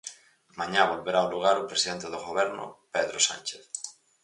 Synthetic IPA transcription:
mãɲaβolβeɾawluɣ̞aɾopɾesiðent̪eðoɣoβɛɾnʊ̰peðɾosa̰nt͡ʃeθ

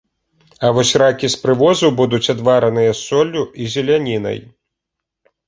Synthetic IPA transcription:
ɐvɔsʲrakʲispɾɨvɔzubud̪ut͡sʲad̪vaɾɐnɨjɐsɔlʲːuizʲɛlʲanʲin̪ɐ̰j

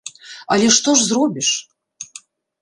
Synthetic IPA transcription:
alʲɛʂt̪oʐzɾobʲiʂ

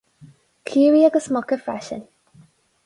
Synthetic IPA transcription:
kʰjuːɹiəɡəsmɔkəfa̰ʃə̰̃n

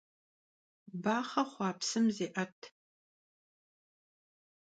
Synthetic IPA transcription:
baːχɐχʷɑːpsɨmzeːʔɐtʰ

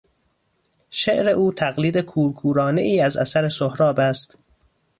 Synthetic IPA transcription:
ʃeʔɾe̞ʔuːt̪ʰæɣliːd̪e̞kʰuːɾkʰuːɾɒːne̞iːæzæ̰sæɾesohɾɒːbæst̪

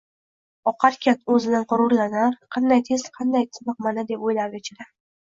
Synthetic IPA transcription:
ɒqʰɑɾkʲanɵzɪd̪anqʊɾʊɾlanaɾqʰɑnd̪ajt̪ʰeslqʰɑnd̪ajt̪ʰɪmɑqmanad̪e̞pojlaɾʲet͡ʃʰɪɾa

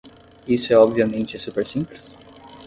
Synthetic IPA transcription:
isʊɛɔbviɐmẽnt͡ʃɪsupeɾsĩmplis

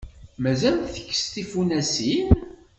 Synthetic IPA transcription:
mæzælθə̥kːə̥st̪ifunæsin

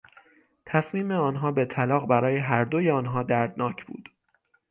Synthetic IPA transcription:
t̪ʰæsmiːmeɒːnɦɒːbe̞t̪ʰælɒːɣbæɾɒːjeɦæɾd̪ojeɒːnɦɒːd̪æɾd̪nɒːcʰb̥ṵːd̪̥

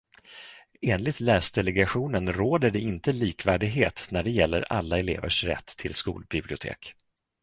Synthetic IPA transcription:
eːnlɪt̪læːsd̪ɛlɛɡaɧuːnənɾoːd̪əɖɛɪnt̪əliːkvæːɖɪɡɦeːt̪næɖɛjɛlːə̰ɾa̰lːaɛlḛːvə̰ʂɾɛ̰t̪ʰːɪlskṵːlbɪblɪʊt̪ʰḛːk

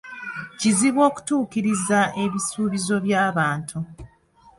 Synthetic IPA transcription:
ciziβwo̞ːku̥tuːkiɾizae̞βisuːβizo̞βjaːβaːntʰu

